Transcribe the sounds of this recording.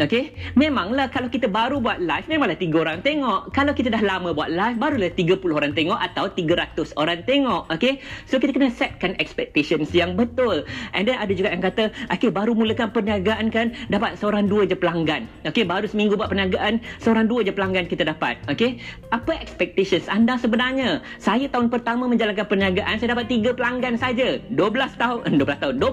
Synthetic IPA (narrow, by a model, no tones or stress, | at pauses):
okemẽmãŋlahkalawkit̪əbaɾubuat̪̚lajfmemaŋlaht̪iɡəoɾaŋt̪eŋɔʔkalawkit̪ədahlamə̃buat̪̚lajfbaɾulaht̪iɡəpulʊhoɾant̪eŋɔʔat̪awt̪iɡəɾat̪ʊsoɾant̪eŋɔʔokesokit̪əkənəsɛt̪̚kanɛkspɛk̚t̪eʃənsjaŋbət̪ʊlʔɛndɛnadəd͡ʒuɡaʔjaŋkat̪əʔokebaɾumuləkanpəniaɡaʔankandapat̪̚səoɾaŋduəd͡ʒəpəlaŋɡan | okebaɾusəmĩŋɡubuaʔpənaɡaʔansəoɾaŋduəd͡ʒəpəlaŋɡankit̪adapa̰t̪̚okeʔapəʔɛkspɛk̚t̪eʃənsandasəbənarɲə | sajat̪aɦʊnpərt̪amə̃mə̃ɲd͡ʒalank̬anpəɲaɡaʔansajadapat̪̚ːiɡəpəlaŋɡansad͡ʒəduəbəlast̪aʊduəbəlast̪aʊnd